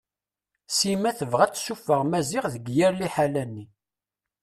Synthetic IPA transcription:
simæθəvʁæt͡sːsufəʁmæzɪʁðəɡjæɾliħalænːi

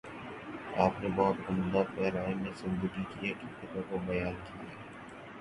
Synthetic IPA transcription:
aːpnebɔːt̪ɐmd̪apɛːɾaːɪmẽsɪ̃nd̪əɡikiekikɪt̪ãkobɐjaːnkʰieː

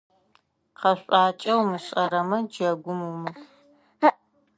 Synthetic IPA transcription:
qɐɕʷʼaːt͡ʃʼɐwmɨɕʼɐɾɐmɐd͡ʒɐɡʷʊmuwmɨ

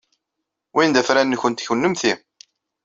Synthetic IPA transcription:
wind̪æfɾænːçənt̪çwnːəmθi

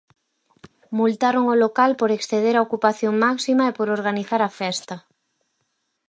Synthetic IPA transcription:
mult̪aɾoŋolokalpoɾeksθeð̞eɾaokupaθjoŋmaksimaepoɾoɾɣ̞aniθaɾafɛst̪a

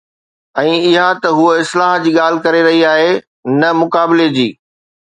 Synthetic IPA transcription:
ɛ̃ːɪɦat̪ɐɦuɪslaːɦd͡ʑiːɠaːl̤ɪ̆kɐɾeɾɐɦiaːɦe | nɐmʊkaːbɪled͡ʑḭː

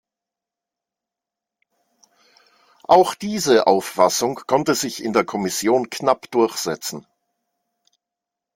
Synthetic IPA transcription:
ʔaʊxd̥iːzəʔaʊfːasʊŋkʰɔntəzɪçɪ̰ndeːɐkʰɔmɪsjoːnkʰnapd̥ʊɐçz̥ɛt͡sn̩

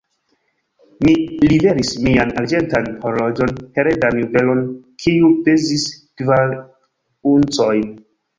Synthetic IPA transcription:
milibe̞ɾismianaɾd͡ʒe̞ntanhoɾlod͡ʒo̞nhe̞ɾedanjuve̞lo̞nkʰiupezistvaɾ | unt͡sojn

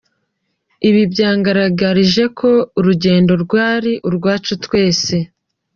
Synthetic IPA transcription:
iβibjaːŋɡaɾaɡaɾiʒe̞kʰo̞uɾuɟe̞ːndo̞ɾɡwaːɾiʔuɾɡwaːt͡ʃutwe̞ːse̞

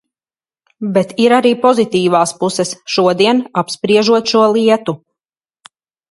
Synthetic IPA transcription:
bet̪iɾaɾiːpɔzit̪iːvaːspusɛsʃuɔd̪iɛnapspɾiɛʒuɔt̪ʃuɔlˠiɛt̪u

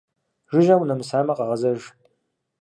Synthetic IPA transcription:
ʒɪʒawnɐmɨsaːmɐqʼɑʁɐzɐʒ

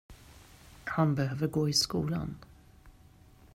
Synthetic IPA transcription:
hanbɛhøːvəɾɡoːɪskṵːla̰n

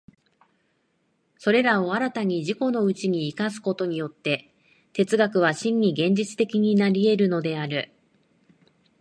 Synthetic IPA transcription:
so̞ɾe̞ɾao̞aɾat̪aɲ̟iʑiko̞no̞ɯ̟t͡ɕiɲ̟iːkasɨ̥ko̞t̪o̞ɲ̟ijo̞t̪ːe̞ | t̪e̞t͡sɨɡakɯ̟β̞aɕĩɲːiɡẽ̞ɲ̟d͡ʑit͡sɨ̥t̪e̞kʲiɲ̟inaɾʲie̞ɾɯ̟no̞d̪e̞aɾɯ̟

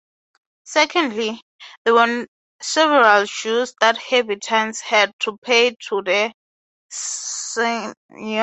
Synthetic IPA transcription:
sɛkʰɔ̃ndli | ðɛwɛ | sɛvɛɹalʃusdathɛbitʰãnshɛd̚tʰupʰejtʰuðɛ | e

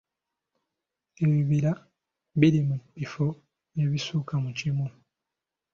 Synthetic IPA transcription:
eβiβila | βilimubifo | eβisuːkamucimu

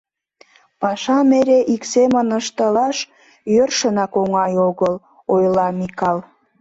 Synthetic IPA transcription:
pɑʃɑmeɾeʔiksemənəʃt̪əlɑʃ | jørʃənɑkoŋɑjoɣəl | ojlɑmikɑl

